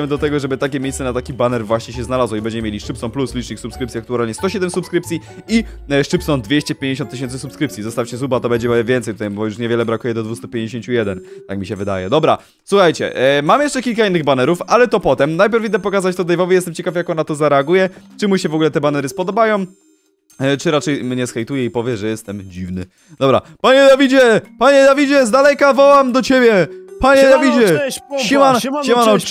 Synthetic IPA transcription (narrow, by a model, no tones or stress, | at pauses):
ɛmd̪ɔt̪ɛɡɔʐɛbɘt̪akʲɛmʲejsɛnat̪akʲibanɛɾvwaɕɲɛɕ̬ɛznalazwɔibɛɲd͡ʑɛmmjeiʂt͡ʂɘpsɔ̃npluslʲit͡ʂɲiksupskɾɘp̪̚sʲiak̚t̪ualɲɛst̪ɔɕɛd̪ɛmsupskɾɘpt̪sʲi | i | ʂt͡ʂɘpsɔnd̪vʲjeɕt͡ɕɛpʲjẽɲd͡ʑeɕ̬ɔnt̪ːɪɕ̬ɛnsɘsupskɾɘpt̪sʲizɔst̪aft͡ɕɛzubat̪ɔbɛɲd͡ʑɛvʲjɛnt̪sɛjt̪ut̪ajbɔjuʂɲɛvʲɛlɛbɾakujɛd̪ɔd̪vust̪upʲjeɲd͡ʑeɕeɲt͡ɕujɛd̪ɛnt̪akmʲiɕɛvɘd̪ajɛd̪ɔbɾa | swuxajt͡ɕɛ̰mamjɛʂt͡ʂɛkʲilkainːɘɣbanɛɾufalɛt̪ɔpɔt̪ɛmnajpʲjɛɾvʲid̪ɛpɔkazat͡ɕt̪ɔd̪ɛjvɔvɛjɛst̪ɛmt͡ɕɛkafjakɔnːat̪ɔzaɾɛaɡujɛt͡ʂɛmuɕɛvɔɡulɛt̪ɛbanɛɾɘspɔd̪ɔbajɔ̃w̃ | t͡ʂɘɾat͡ʂɛjmɲɛskɛjt̪ujɛipɔvʲjɛʐɛjɛst̪ɛmd͡ʑivnɘ̰ | d̪ɔbɾa̰paɲɛd̪avʲid͡ʑɛpaɲɛd̪avʲid͡ʑɛzd̪alɛkavɔwamd̪ɔt͡ɕebʲjɛpaɲɛd̪avʲid͡ʑɛimanimaɔ